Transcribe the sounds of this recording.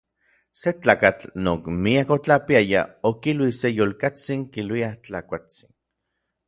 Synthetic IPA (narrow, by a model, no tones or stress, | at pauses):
set͡ɬaːkat͡ɬnoːkmiakot͡ɬapiaja̰okilwisejoːlkat͡siŋkilwiat͡ɬakʷat͡sin